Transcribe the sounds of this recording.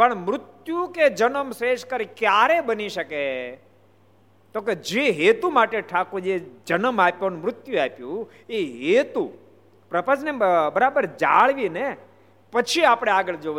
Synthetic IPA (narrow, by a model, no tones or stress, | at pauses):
pəɳmɾʊt̪juked͡ʒənəmsɾeʃkəɾikjaɾebəniʃəke | t̪oked͡ʒeɦet̪umaʈeʈʰakud͡ʒed͡ʒənəmapjonmɾʊt̪juapjũ | eɦet̪u | pɾəpə̃d͡ʒnebəɾabəɾd͡ʒaɭʋine | pət͡ʃʰiapɽ̃eaɡəɭd͡ʒo